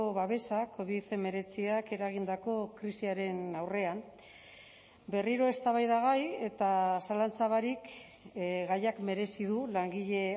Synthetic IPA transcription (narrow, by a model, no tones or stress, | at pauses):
oβaβe̞sako̞βiθe̞me̞ɾe̞t͡siake̞ɾaɣ̞ind̪ako̞kɾisiaɾe̞nawre̞am | be̞riɾo̞e̞st̪aβajðaɣaje̞t̪asalant͡saβaɾik | ɣajakme̞ɾe̞siðulaŋɡiʎe̞